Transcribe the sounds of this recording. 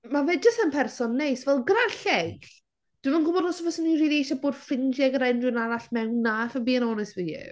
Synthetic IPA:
maveːd̚d͡ʒəstənpʰɛrsɔnːejsvɛlˠɡɾaɬejɬ | d̥ɪvənɡʊbɔdlɔsɔvɔsəniriːliejʃaboːd̥fɪnd͡ʒɛɡəɾaɪndrɨnaɾaɬmɛwnːafabiːənɔnɛsviɪ̰

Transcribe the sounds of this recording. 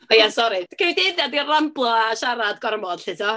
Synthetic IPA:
ɔjasɔɾɨtkʰewdeðjadiramblˠɔaʃaɾadɡɔrmɔd̥ɬɪtʰɔ

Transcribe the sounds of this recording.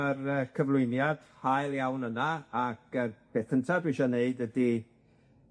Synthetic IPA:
ərəkʰəvlˠʊɨnjad̥hajlˠjawnənaak̚ʰəpʰɛθəntʰabɪʃɔneɨdədi

